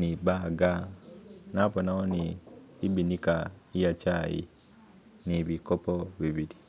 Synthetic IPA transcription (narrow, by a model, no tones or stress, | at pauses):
nibaɡa | naponaoniːbinikaijat͡ʃajḭ | niβikopoβiβili